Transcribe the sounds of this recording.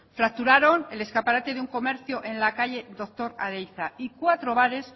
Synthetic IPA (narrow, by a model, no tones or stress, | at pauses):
fɾak̚t̪uɾaɾo̞ne̞le̞skapaɾat̪e̞ðuŋko̞me̞ɾθjoʔe̞nlakaʎe̞d̪o̞k̚t̪o̞ɾaðejθaikwat̪ɾo̞βaɾe̞s